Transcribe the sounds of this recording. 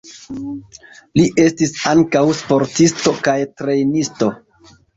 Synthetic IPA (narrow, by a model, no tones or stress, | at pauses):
liʔe̞stisaŋkawspo̞ɾtisto̞kajtɾe̞jnisto̞